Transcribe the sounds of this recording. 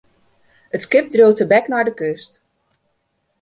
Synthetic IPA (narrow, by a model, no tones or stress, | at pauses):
ətskɪp̚drowtəbɛknaɹdəkøst